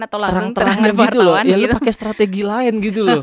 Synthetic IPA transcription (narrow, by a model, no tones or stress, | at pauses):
t̪t̪əɾaŋtt̪əɾaŋɡit̪ulɔjalupakɛst̪ɾat̪eɡilaɪnɡit̪ulɔ